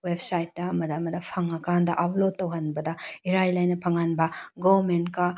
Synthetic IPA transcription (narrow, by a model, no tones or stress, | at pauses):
websajtːɐɐmɐdɐɐmɐdɐpʰɐŋɐkandɐʔapʰlod̚tːɐwɦɐnbɐdɐiɾajlajnɐpʰɐŋanbɐɡomentkɐ